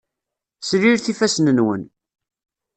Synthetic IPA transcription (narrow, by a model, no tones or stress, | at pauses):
sɾiɾθifæsnənwə̰n